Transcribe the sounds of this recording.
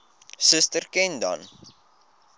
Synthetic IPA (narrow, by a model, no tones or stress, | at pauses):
səstərkɛndɐ̰n